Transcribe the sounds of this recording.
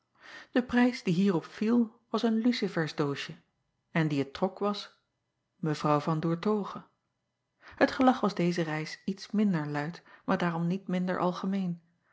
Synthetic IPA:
d̥əprɛjsdiɦiːrɔpfilˠʋɑsənlysifɛɹzdoːʃə | ɛndiətːrɔkʋɑs | məvrɑwvɑndʊːɹtowχə | hətχəlɑχʋɑzdejzərɛjsitsmɪndəɹlœɥtmaːɹdaːrɔmnitmɪndə̰ɹʔɑ̰lˠχəmejn

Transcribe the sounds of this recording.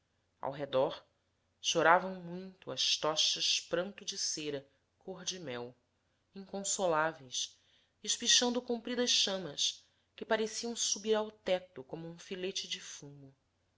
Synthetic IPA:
a̰wɦed̪ɔɾ | ʃoɾavɐ̃w̃mũj̃t̪ʊɐ̰ʃt̪ɔʃɐʃpɾɐ̃nt̪ʊd͡ʒɪseɾɐ | kʰoɾd͡ʒimɛw | ĩŋkõsolavejs | ɪʃpiʃɐ̃nd̪ʊkũmpɾid̪ɐʃʃɐ̃mɐs | kɪpaɾesiɐ̃w̃subiɾawt̪ɛt̪ʊkõmʊũfilet͡ʃɪd͡ʒɪfũmʊ

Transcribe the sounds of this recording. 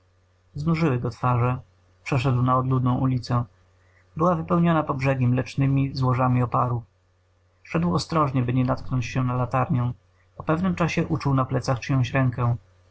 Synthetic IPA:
znuʐɘwɘɡɔt̪faʐɛ | pʂɛʂ̬ɛd̪wnaɔd̪lud̪nɔ̃w̃ʔulʲit̪sɛ | bɘwavɘpɛwɲɔnapɔbʐɛɡʲimlɛt͡ʂnɘmʲizwɔʐamʲiɔpaɾu | ʂɛd̪wɔst̪ɾɔʐɲɛbɘɲɛnat̪knɔɲt͡ɕɕɛnalat̪aɾɲɛ̃ | pɔpɛvnɘmt͡ʂaɕɛʔut͡ʂuwnaplɛt̪saxt͡ʂɘɲɔ̃w̃t͡ɕɾɛŋkɛ̃

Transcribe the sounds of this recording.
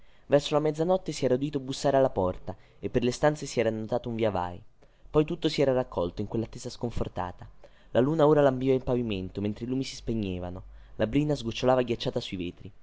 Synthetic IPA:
vɛrsolamɛd̪zːanɔt̪ːesiɛːɾaud̪it̪oabusːaːɾealːapɔrt̪a | epːerlest̪ant̪sesiɛːɾanːot̪aːt̪ouɱvjava̰j | pɔjt̪ut̪ːosiɛːɾarakʰːɔlt̪oiŋkwelːat̪ːɛzaskoɱfort̪a̰ːt̪a | laluːnaoːɾalamvivaimpaviment̪oment̪ɾeiluːmisi̥speɲːeːvanolabɾinazɡut͡ʃːolaːvaɡjat͡ʃːaːt̪asuiveːt̪ɾi

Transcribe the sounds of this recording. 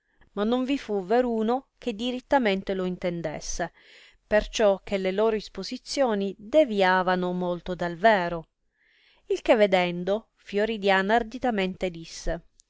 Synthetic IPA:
manːoɱvifuveɾuːnok̟ed̪iɾit̪ːament̪eloint̪end̪ḛsːe | pert͡ʃɔk̟ːeleloːɾoispozit̪sːjoːnid̪eviaːvanomolt̪od̪alvɛːɾo | ilk̟evːed̪ɛnd̪o | fjoɾid̪jaːnaaːrd̪it̪ament̪ed̪isːe

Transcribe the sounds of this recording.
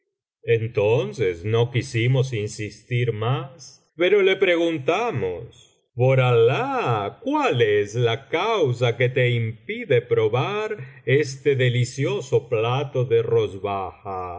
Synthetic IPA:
ent̪onsesno̞kisimo̞sinsist̪iɾmas | pe̞ɾo̞le̞pɾe̞ɣunt̪amo̰s | poɾalakwaleslakaws̬aket̪e̞impiðe̞pɾo̞βaɾest̪eðe̞lisjosoplat̪o̞ðe̞ro̞zβaxa

